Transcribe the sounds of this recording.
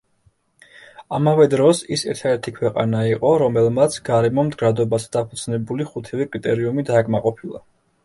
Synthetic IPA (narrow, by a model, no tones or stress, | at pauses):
amavɛd̪ɾɔsisɛɾt̪ʰad̪ɛɾt̪ʰikʰwɛqʼa̰naiqʼɔɾɔmɛlˠmat̪sʰɡaɾɛmɔmd̪ɡɾad̪ɔbazd̪̥apʰud̪z̥nɛbuliχut̪ʰɛvɛkʼɾit̪ʼɛɾiumid̪aːkʼmaqʼɔpʰilˠa̰